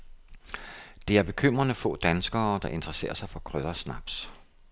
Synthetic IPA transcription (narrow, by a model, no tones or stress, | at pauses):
d̥e̝æɐb̥e̝kʰøm̰ʁɐnəfɔ̰̽ːd̥ænsɡ̥ɐːd̥ɑ̈ʔe̝nd̥ʁəse̝̰ːɐsɑ̈ɪfɒ̽kʰʁøðˠɐsnɑ̈b̥s